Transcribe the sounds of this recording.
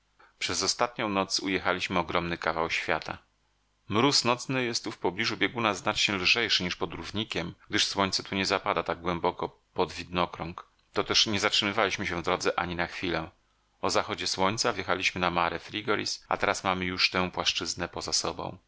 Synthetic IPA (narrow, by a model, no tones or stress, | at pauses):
pʂɛzɔst̪at̪̚ɲɔ̃w̃nɔt̪sujɛxalʲiɕmɘɔɡɾɔmnɘkavawɕfʲjat̪ʰa̰ | mɾusnɔt̪snɘjɛst̪ːufpɔblʲiʐubʲjeɛɡunaznat͡ʂɲɛlʐɛjʂɘɲiʂpɔd̪ɾuvɲikʲɛmɡ̚d̪ɘʂswɔɲʲt̪sɛt̪uɲɛzapad̪at̪aɡ̚ɡwɛmbɔkɔ | pɔd̪vʲid̪nɔkɾɔ̃ŋk | t̪ɔt̪ɛʂɲɛzatʂɘmɘvalʲiɕmɘɕɛ̃vd̪ɾɔd̪zɛʔa̰ɲinaxfʲilɛ | ɔzaxɔd͡ʑɛswɔɲt̪savjɛxalʲiɕmɘnamaɾɛfɾʲiɡɔɾʲḭsa̰t̪ɛɾasmamɘjuʂt̪ɛw̃pwaʂt͡ʂɘznɛpɔzasɔbɔ̰̃w̃